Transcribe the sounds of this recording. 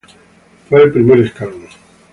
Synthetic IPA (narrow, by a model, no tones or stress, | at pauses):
fweelpɾimeɾeskalno